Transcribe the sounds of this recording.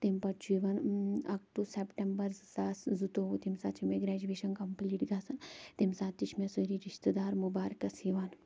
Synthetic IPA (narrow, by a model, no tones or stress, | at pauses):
t̪empɐt͡ʃʰuiʋɐnɐkʈusepʈembɐɾzsaːszut̪oʋut̪imsaːt͡ʃʰimeɡɾɛːd͡ʒuʋeːʃɐnkɐmpliːʈɡaːsɐnt̪imsaːt̪ːit͡ʃʰmesoɾiɾiʃt̪əd̪aːɾmubaːɾkɐsiʋaːn